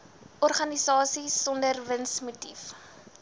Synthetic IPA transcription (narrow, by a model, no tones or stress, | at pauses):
ʔɔrχɐnisɑːsisɔndərvənsmutif